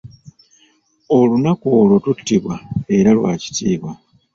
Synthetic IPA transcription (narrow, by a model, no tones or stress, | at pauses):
o̞lunakoːlo̞tutːiβwae̞ɾalwa̰ːci̥tiːβwa